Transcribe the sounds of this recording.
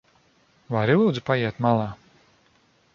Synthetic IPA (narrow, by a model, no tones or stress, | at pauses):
vaɾilˠuːd̪zupajɛɛt̪malˠaː